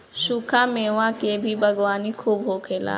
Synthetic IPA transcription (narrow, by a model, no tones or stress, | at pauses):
ʃukʰameʋãkebʱibʱɐɡʋaːnikʰuːbɦokʰeːla̰ː